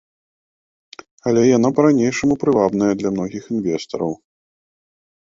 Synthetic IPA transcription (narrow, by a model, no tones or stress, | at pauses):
ɐlʲɛjan̪apɐɾanʲejʂɐmupɾɨvabnɐjɐd̪lʲɐmnɔɣʲixinvʲɛst̪ɐɾɐw